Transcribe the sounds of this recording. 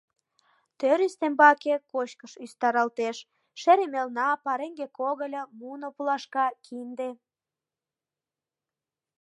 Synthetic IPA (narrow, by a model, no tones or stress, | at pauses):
t̪øɾyst̪embɑkekot͡ɕkəʃyst̪ɑɾɑlt̪eʃ | ʃeɾemelnɑpɑɾeŋɡekoɣəlʲəmunopulɑʃkɑkʰind̪e